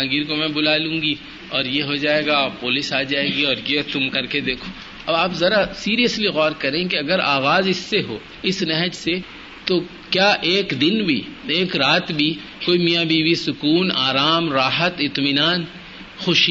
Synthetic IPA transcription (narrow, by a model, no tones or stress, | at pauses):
ãːɡiːɾkomɛ̃bʊlaːlũːŋɡi | ɔːɾjeɦod͡ʒaːeːɡapʊːlɪsaːd͡ʒaːeːɡiɔːɾjet̪ʊmkɐɾked̪eːkʰoː | ɐbaːpzɐɾasiːɾijəsliɣɔːɾkɐɾẽːk̬eɐɡəɾaːɣaːzɪsːeɦo̰ː | ɪsnɛɦəd͡ʒse | t̪o | kjaːʔeːkd̪ɪnbʱḭeːkɾaːt̪bʱi | koːimijabʱibisʊkuːnaːɾaːmɾaːɦət̪ɪt̪mɪnaːn | xʊʃ